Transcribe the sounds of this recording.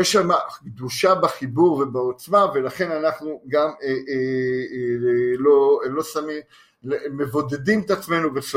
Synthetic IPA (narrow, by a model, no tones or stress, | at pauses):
jeʃamaɡd̪uʃabaχibuʁve̞baot͡smave̞laχe̞nanaχnuɡamee | lolo̞samim | emevo̞d̪e̞d̪imet̪at͡sme̞nuveχ